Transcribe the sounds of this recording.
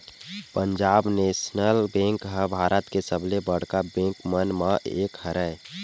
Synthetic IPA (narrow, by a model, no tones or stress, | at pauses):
pəɲd͡ʒaːbneːsnəlbẽːŋkɦəbʱaːɾʔət̪kesəblebəɽ̤kabẽːŋkmənmãʔḛːkhəɾɛ